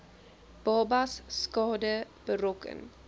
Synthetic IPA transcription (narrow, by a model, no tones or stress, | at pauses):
b̥ɑːbasːkɑːdəb̥əɾokə̰n